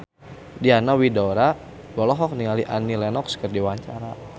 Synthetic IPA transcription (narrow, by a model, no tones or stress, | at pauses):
dianawidɔɾa | bɔlɔɦɔk̚niŋaliʔanilɛnɔkskərdiwaɲt͡ʃaɾa